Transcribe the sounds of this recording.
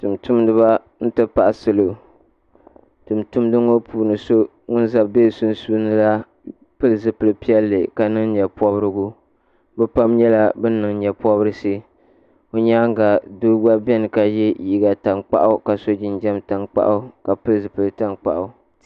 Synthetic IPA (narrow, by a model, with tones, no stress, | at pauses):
tu˨mtu˦mdɨ˦βa˦ | n̩˦tɨ˦pa˨ʔa˨sɨ˨lo˨ | tɨ˨mtu˦mdɨ˦ŋo˦pʰuː˨nɨ˨so˦ | ŋʊ˦nza˨be˦˨sʊ˦n˦su˦nɨ˦la˦ | pɨ˦lzɨ˨pɨ˨lɨ˨pi˦ɛ˦lːɨ˨ka˨nɨ˦ŋ˦ɲɛ˨pɔ˦bɨ˦ɾɨ˦ɡu˦ | bɛ˦pa˦mɲɛ˦la˦bɨ˦nɨ˨ŋɲɛ˨pɔ˦bɨ˦ɾɨ˦si˦ | o˦ɲaː˦ŋ˦ɡa˨du˦ɡ͡ba˦bɛ˦nɨ˨ka˨jɛ˦ji˦ɡa˨ta˨ŋk͡pa̰˦ʔʊ˦ka˨so˦d͡ʒɪ˦nd͡ʒɛ˦mta˨ŋk͡pa̰˦ʔʊ˦ka˨pɨ˦lzɨ˨pɨ˨lɨ˨ta˦nk͡pa̰˨ʔa˨˦